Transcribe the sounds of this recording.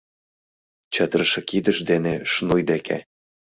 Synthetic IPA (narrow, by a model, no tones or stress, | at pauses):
t͡ɕə̆d̪rɤʃɤ̆kid̪ə̆ʃd̪eneʃnujd̪ekʰḛ